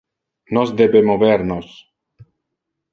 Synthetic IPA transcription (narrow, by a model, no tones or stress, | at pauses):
nɔzd̪ebemoβeɾnos